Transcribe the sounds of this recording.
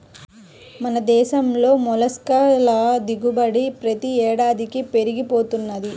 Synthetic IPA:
mɐnɐd̪ɛːʃɐmlo̞ːmɔlɐskɐlɐd̪iɡubɐɽipɾɐt̪iɛːɽaːd̪ikipe̞ɾiɡipo̞ːt̪unːɐd̪i

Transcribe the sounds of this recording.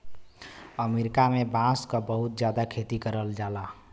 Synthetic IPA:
əmeɾikamebãskəbəɦut̪̚d͡ʒjad̪akʰet̪ikəɾəld͡ʒala

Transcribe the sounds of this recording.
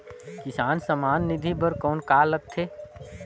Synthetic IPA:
kɪsaːnsəmaːnːɪd̪ʱibəɾkɔːnkaːləɡ̚t̪ʰeː

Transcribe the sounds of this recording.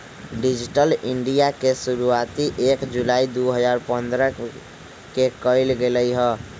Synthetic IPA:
ɖid͡ʒiʈəliɳɖijakesuɾuat̪iʔekd͡ʒulaid̪uɦəd͡ʒaɾpənd̪ɾə | kekəjlɡeləjɦə

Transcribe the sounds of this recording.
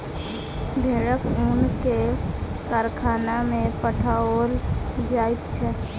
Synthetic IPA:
bʱeɽəkunkekaɾkʰaːnamẽpəʈʰaold͡ʒaːit̪̚t͡ʃʰɛ

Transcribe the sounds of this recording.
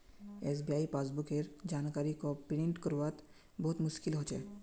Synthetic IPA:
eːs̬bijaːipaːs̬bʊkeɾd͡ʒaːnkaːɾikopɪɽẽɳʈkəɾuʋat̪ | bɔɦʊt̪mʊʃkɪlɦoːt͡ʃɛː

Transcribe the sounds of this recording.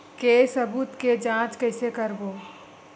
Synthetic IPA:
keːsɐbuːt̪ked͡ʒãːt͡ʃkəɪsekəɾboː

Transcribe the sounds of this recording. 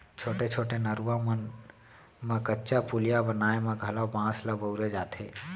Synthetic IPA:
t͡ʃʰoːʈet͡ʃʰoːʈenəɾuamən | mẽkətːʃapulijabənaːemẽɡʱɐlabãːsləbəʊɾed͡ʒaːt̪ʰḛː

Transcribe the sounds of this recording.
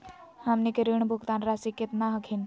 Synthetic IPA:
hamnikeɾiɳbʱukt̪anɾasikːet̪naɦəkʰin

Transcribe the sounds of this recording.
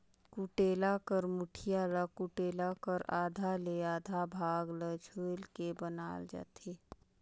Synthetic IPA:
kuʈeːlakəɾmʊʈʰijaɾəkuʈeːlakəɾaːd̪ʱaleaːd̪ʱabʱaːɡləd͡ʒʰoːlkebənaːld͡ʒa̰ːt̪eː

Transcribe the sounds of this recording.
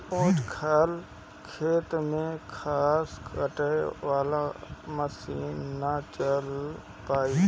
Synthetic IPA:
õːd͡ʒkʰal | kʰeːt̪mẽkʰaːskəʈəʋaːlaməsiːnːat͡ʃəl | paːiː

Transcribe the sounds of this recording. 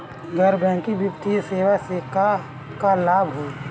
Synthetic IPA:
ɡɐɾbɛ̃ːkibjʊpt̪iseːwaseka | kalaːbɦɛː

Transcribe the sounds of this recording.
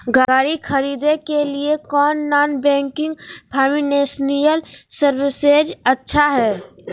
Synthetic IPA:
ɡaːɾikʰəɾiːd̪ekeliekɔːnːaːnbɛ̃ːŋkɪ̃ŋɡpʰaːmineːsnijəlsəɾwɪsed͡ʒɐtːʃʰaɦɛː

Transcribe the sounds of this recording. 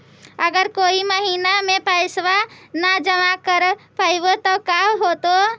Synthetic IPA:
əɡəɾkoːiməɦiːnamẽpajsʋanad͡ʒəmakəɾpaibot̪ɔkaɦot̪o

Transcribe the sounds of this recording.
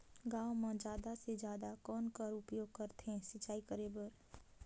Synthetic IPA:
ɡãːwmãd͡ʒaːd̪ased͡ʒjaːd̪akɔːnkəɾʊpjoːɡ̚kəɾt̪ẽsɪt͡ʃaːikəɾeːbəɾ

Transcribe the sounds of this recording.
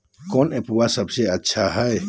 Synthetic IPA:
kɔːnepwasəbseɐtːʃʰaɦɛe

